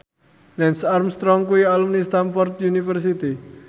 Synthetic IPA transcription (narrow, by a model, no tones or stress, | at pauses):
lɛnsarmst̪ɾɔŋkuialumnist̪anfɔrt̪̚junifərs̬it̪i